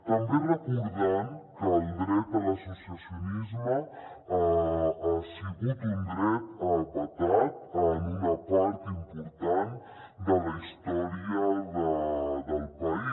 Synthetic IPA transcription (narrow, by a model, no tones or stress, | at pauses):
t̪əmberəkuɾðɛmkəːlˠd̪ɾɛt̪ələsusiəsiunizmə | aasəɣut̪und̪ɾɛt̪əlpət̪at̪̚ənunəpɔɾt̪impuɾt̪an | d̪ələist̪ɔɾiəðəd̪əlˠpəi